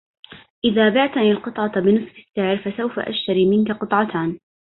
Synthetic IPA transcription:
ʔɪðaːbɪʕt̪ʔanɪlqɨt̪ˤʕɑt̪bɪnɨsˤfɪ̥sːɪʕɾfasawfa̰ʔa̰ʃt̪aɾiːmɪnkaqɨt̪ˤʕɑt̪ʰaːn

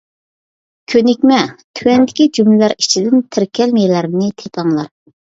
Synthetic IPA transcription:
kʲʰønɪkʲmɛt̪ʰywɛnd̪ɪkʲid͡ʒumlɪlæɾit͡ʃʰid̪ɪnt̪ʰɪɾkʲʰɛlmelæɾnɪt̪ʰep̪ʰɑŋlˠɑɾ

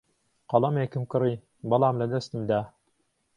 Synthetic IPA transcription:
qɑlˠɑmɛkɘmkɤ̆ɾɯj | bɑlˠɑmlæd̪æst̪ɘ̆md̪æ

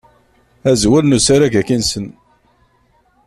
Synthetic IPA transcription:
æzwælnusaɾaʝækinsən

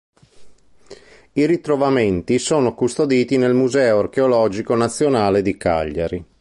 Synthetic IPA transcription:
iɾit̪ɾovament̪isoːnokust̪od̪iːt̪inelmuzɛːoarkeolɔːd͡ʒikonat̪sːjonaːled̪ika̰ʎːaɾi

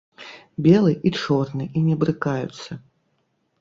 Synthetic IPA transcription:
bʲɛlˠɨʔit͡ʂɔrnɨʔinʲɛbɾɨkajṵt̪sːɐ

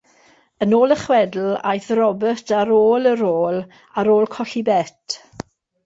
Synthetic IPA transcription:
ənoːlˠəχwɛdl̩a̰jθrɔbətʰaɾoːləɾoːlˠ | aɾoːlˠkʰɔɬibɛtʰ

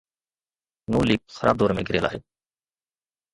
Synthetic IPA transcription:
nuːliːp̚xəɾaːb̚d̪ɔːɾmḛ̃ːɡʱɪɾeːla̰ːɦeː

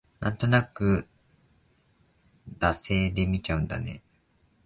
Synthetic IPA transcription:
nʔã̰nt̪o̞nakɯ̟ | d̪ase̞ːd̪e̞mʲit͡ɕaɯ̟̃nd̪a̰ne̞̰

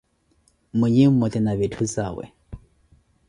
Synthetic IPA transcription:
mwɛɲɛm̩mɔt̪ɛnaβetʰuzawɛ̰

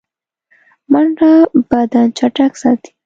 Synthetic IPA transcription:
manɾabad̪ant͡ʃaʈaksat̪i̥

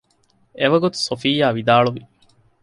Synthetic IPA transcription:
eʋɐɡot̪u̥sofijːaːʋid̪aːɭuʋi

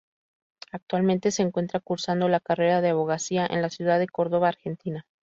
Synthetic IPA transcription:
ak̚t̪walmẽnt̪e̞se̞ːŋkwe̞nt̪ɾakuɾsand̪o̞lakare̞ɾaðeaβo̞ɣ̞asiaʔe̞̰nlasjuðaðe̞ko̞ɾðo̞βaːɾxe̞nt̪ina

